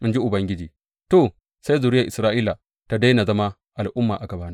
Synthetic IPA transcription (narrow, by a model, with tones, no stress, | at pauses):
mʊ˦nd͡ʒi˦ʔʊ˨bɐ˦ŋɡʲɪ˦d͡ʒiː˨ | to˨ | sa˦jzu˨ɾɪ˦ja˨ʔɪ˨sɾaː˦ʔi˦la˨ | ta˨da˦jna˨zɐ˦ma˦ | ʔa˨lʔʊ˦mːa̰ː˨ʔa˨ɡɐ˨baː˦na˦